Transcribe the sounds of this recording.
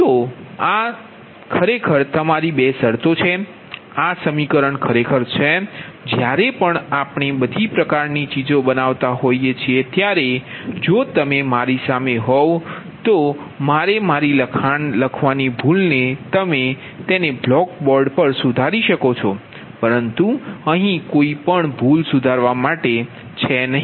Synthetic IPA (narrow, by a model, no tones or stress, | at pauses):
t̪oa | kʰəɾekʰəɾt̪əmaɾibesəɾt̪ot͡ʃʰe | asəmikəɾəɳkʰəɾekʰəɾt͡ʃʰed͡ʒjaɾepəɳapɳebəd̪ʱipɾəkaɾnit͡ʃid͡ʒobənaʋt̪aɦoiet͡ʃʰiet̪jaɾed͡ʒot̪əmemaɾisameɦɔʋ | t̪o | maɾemaɾiləkʰanləkʰʋanibʱulnet̪əme | t̪eneblɔkbɔɾɖpəɾsud̪ʱaɾiʃəkot͡ʃʰɔ | pəɾənt̪uəɦĩkoipəɳbʱulsud̪ʱaɾʋamaʈe | t͡ʃʰenəɦĩ